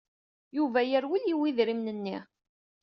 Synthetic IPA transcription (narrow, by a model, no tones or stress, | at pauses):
juvæjəɾwiljiwiðɾimnənːi